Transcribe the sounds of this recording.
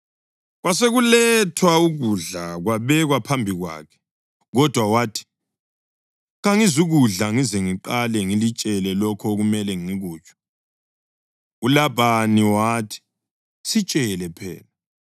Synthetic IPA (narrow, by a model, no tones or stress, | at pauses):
ɣwaseɣulɛtʰwauɣuɮaɣwaβɛɣwapʰambʱiɣwa̰ːkʰɛ̥ | ɣɔd̥ʱwawaːtʰi̥ | ɣaŋizuɣuɮaŋizeŋiǃalɛŋilit͡ʃʼɛlɛlɔkʰɔɣumɛlɛŋiɣuːt͡ʃʼɔ̥ | ulaβaniwaːtʰi̥ | sit͡ʃʼɛlɛpʰɛ̰ːla